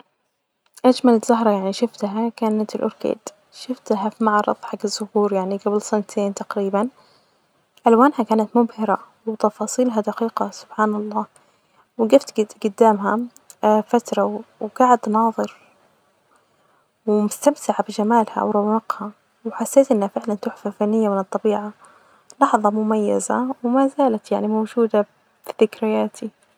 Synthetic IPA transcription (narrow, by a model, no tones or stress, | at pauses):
ʔad͡ʒmalɪzːaɦɾˤɑjaʕniʃʊft̪ɦakaːnat̪ɪlʔʊ̰ɾkḛːd̪̥ | ʃɪft̪ɦafimaʕɾˤɑ̰fˤħakɪzːʊhuːɾjaʕniɡablsɪnt̪ʰeːnt̪aqɾiːban | ʔalwaːnhakaːnat̪mʊbhɪɾa | wt̪ɑfɑːsˤiːlɦad̪aqiːqɑsʊ̥b̥ħaːnɑlˤːɑː | wɪɡaft̪ɡʊd̪ːaːmɦa | fat̪ɾˤɑwɡ̥aʕɪd̪nɑːðˤɨɾ | wɪmʊst̪amt̪ɪʕabɪd͡ʒamaːlha̰wɾˤɑwɑqha | wħasːeːt̪ʔɪnːhafɪʕlant̪ʊħfalfanːɪjːamɪnɨt̪ˤːɑbiːʕa | lɑħðˤɑmʊmajːa̰za̰wɪmazaːlat̪jaʕnimowd͡ʒuːd̪a | bɪθɪkɾɪjaːt̪ʰi